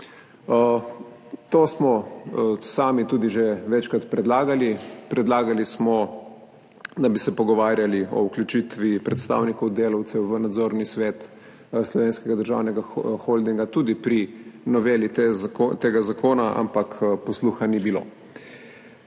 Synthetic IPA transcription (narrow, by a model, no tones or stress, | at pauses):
t̪oːsmɔ | saːmit̪uːd̪iʒeʋɛt͡ʃkɾat̪pɾɛd̪laːɡalipɾɛd̪laːɡalismɔ | d̪abisɛpɔɡɔʋaːɾjaliɔ̰uklʲjut͡ʃit̪ʋipɾɛt̪st̪a̰ːwnikɔwd̪eːlawt̪sɛwʋənad̪zoːɾnisʋeːt̪ | slɔʋeːnskɛɡad̪əɾʒa̰wnɛɡaxɔld̪iŋɡat̪uːd̪ipɾinɔʋeːlit̪eːɡazakoːnaʔa̰mpakpɔsluxanibilo̰ː